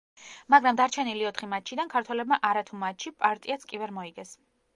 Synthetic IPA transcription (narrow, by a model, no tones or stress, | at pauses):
maɡɾamd̪aɾt͡ʃʰɛniliɔt̪ʰχimat̪ʃʰid̪ankʰaɾt̪ʰwɛlɛb̚maʔaɾat̪ʰumat̪ʃʰipʼaɾt̪ʼiat̪skʼivɛɾmɔiɡɛs